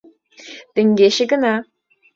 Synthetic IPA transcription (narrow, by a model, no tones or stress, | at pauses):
d̪̥əŋɡeʃəɡəna